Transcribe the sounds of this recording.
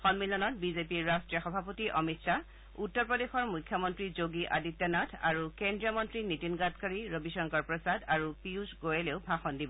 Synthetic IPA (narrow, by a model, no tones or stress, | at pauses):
xɔnmilɔnɔtbizepiɹːastɹijɔxɔbʱapotiʔɔmitsa | utːɔɹpɹɔdexɔɹmujkʰːjɔmɔntɹizoɡiʔa̰ditːɔnatʰa̰ɹukendɹiɔmɔntɹinitinɡatkaɹiɹobiʃɔŋkɔɹpɹɔsadaɹupiuzɡojɛleʊbʱaxɔndibɔ